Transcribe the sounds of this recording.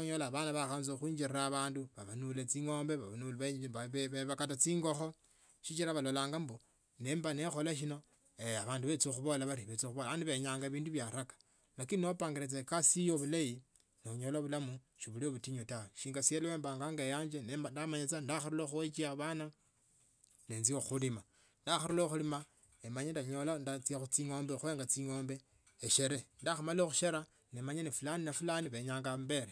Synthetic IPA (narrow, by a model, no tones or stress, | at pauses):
oɲolaβanaβaxanzoxwiːɲd͡ʒirraβaːnduβaβanulet͡siŋo̞ːmbe̞βaβanuleβeβakatat͡siːŋɡo̞xo̞ | ʃit͡ʃiɾaβalolaːŋɡambo | ne̞ːmbanexo̞laʃ̬ino̞ | eaβaːnduβe̞t͡sioxuβolaβaɾiβet͡sioxuβolaβaːnduβeɲaːŋɡaβiːnduβjaɾakḁ | lakininopaːŋɡeɾet͡sekasijoβulaji | noɲoloβulamu | ʃiβulioβutiɲotaweʃiːŋɡasijeleweːmbaːŋɡaːŋɡajaːɲd͡ʒenndamaɲet͡sandaxaɾuloxuet͡ʃiaβana | leːnzioxulima | ndaxaɾuloxulima | emaɲendaɲolandat͡siaxut͡siŋo̞ːmbexweːŋɡat͡siŋoːmbe̞ː | ʃeɾendaxumaloxuʃeɾa | nemaɲanifulaninafulaniβe̞ɲaːŋɡambe̞ɾe